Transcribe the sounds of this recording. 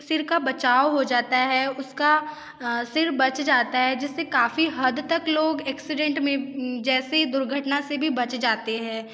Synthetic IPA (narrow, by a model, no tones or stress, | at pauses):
sɪɾkabɐt͡ʃaːoɦod͡ʒaːt̪aɦɛʊska | sɪɾbɐt͡ʃd͡ʒaːt̪aɦɛd͡ʒɪsːekaːfiɦɐd̪t̪ɐkloːɡɛːksɪɖɛ̃ɳʈmẽd͡ʒɛːsed̪ʊɾɡʱəʈnasebʱibɐt͡ʃd͡ʒaːt̪eɦɛ̃ː